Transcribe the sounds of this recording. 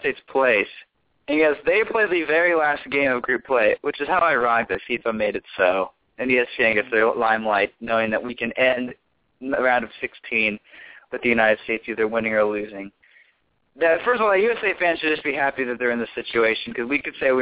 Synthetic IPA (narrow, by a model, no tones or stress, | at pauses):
steɪtspʰl̥eɪs | ɨ̃nɡʌzðeɪpʰl̥eɪd̪̚ðɨvɛɹilæst̚ɡ̥ẽɪ̃mʌvɡɹʉpʰl̥eɪwɨt͡ʃɨz̥haʊaɪɹɔ̃ŋðɨsifãmeɪɾɨtsoʊ | ɨ̃niɨsɛ̃ŋɨθəlãɪ̃mlaɪtⁿnoʊɪ̃ŋðɨʔ̚wikɨ̃nɛ̃nd | əɹãʊ̃ndʌv̥sɪkstʰĩnwɨðɨjʉnaɪɾɨd̥steɪtsjɨðə˞wɪ̃nɪ̃ŋə˞lʉzɪ̃ŋ | ðɨfɜ˞stəvɔlˠjʉɛseɪfæ̃nʃɨdd͡ʒʌsb̥iɦæpiðɨt̪̚ðə˞ɨ̃nðɨsɪt͡ʃʉeɪʃɨ̃n̩kʰʌzwikɨd̥seɪwi